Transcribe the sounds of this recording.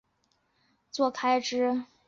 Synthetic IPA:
t͡swɔ˥˩kʰa˥ɪʈ͡ʂɻ̩˥

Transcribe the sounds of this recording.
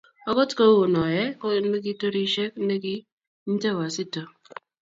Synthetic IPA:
ɔ˦kɔ˦tko˦wo˨nɔ˨jɛ˦ko˦ne˦k̬i˦to˦ɾi˦ʃe˦k̚n̩˦ne˦ki˦ | n̩˦te˦˨wa˨si˦to˨

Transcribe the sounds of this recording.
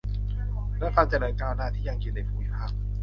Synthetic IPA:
lɛ˦˥kʰaː˧t͡ɕa˨˩laː˨˩˦kaː˧wnaː˧˥˩t̪ʰiː˥˩ja˧ŋkʰi˨˩na˨˩pʰuː˨˩˦i˦˩pʰaː˥˩k̚

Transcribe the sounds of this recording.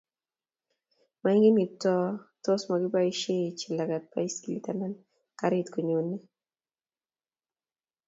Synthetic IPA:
ma˨i˦ŋɡe˦mi˨tɔ˦to˦sma˨ɡɪ˦ba˦i˦ʃe˦˨t͡ʃi˨la˨ɡa˨t̚pa˦i˦ski˨li˨ta˦ma˦n | ka˨ɾe˦tko˨ɲo˨nːe˦

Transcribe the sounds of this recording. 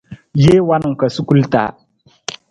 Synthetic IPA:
jeː˦wa˦nʊ˨ŋ˨ka˨su˦ku˦lta̰ː˨˦

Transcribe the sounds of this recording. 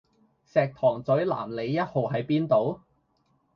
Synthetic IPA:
sɛː˨˧k̚t̪ʰɔː˨˩ŋt͡sɵ˨˥ɥla̰ː˨˩mle˨˧jːɐ˥t̚ho˨wɦɐ˨˥jpiː˥nt̪o˨˧w

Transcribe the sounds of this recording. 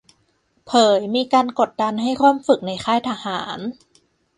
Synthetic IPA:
pʰɤː˩˦jmiː˧kaː˧nko˨˩t̪̚da˧nɦa˥˩jkʰwaː˥˩˨mfɯ˨˩k̚na˧jxʰaː˥˩jt̪ʰaː˧haː˩˦n

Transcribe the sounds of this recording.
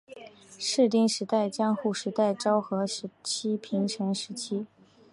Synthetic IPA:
ʂɻ̩˥˧t̪i˥˧ŋʂɻ̩˧˥t̪a˥˩ɪt͡ɕjɑ˥ŋxu˥˩ʂɻ̩˧˥t̪a˥˩ɪʈ͡ʂɑ˥ʊxɤ˧˥ʂɻ̩˧˥t͡ɕʰi˥pʰi˧˥ŋʈ͡ʂʰə˧˥ŋʂɻ̩˧˥t͡ɕʰi˥

